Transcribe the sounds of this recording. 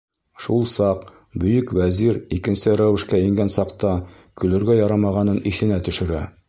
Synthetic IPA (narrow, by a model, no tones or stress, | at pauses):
ʃulˠsɑq | bɵ̆jɵkwæziɾikɘ̆nsɘɾæwɘ̆ʃkæĭŋɡænsɑqt̪ɑ | kɵ̆lɵ̆ɾɡæjɒɾɑmɑʁɑnɤniθɘ̆næt̪ɵ̆ʃɘ̆ɾæ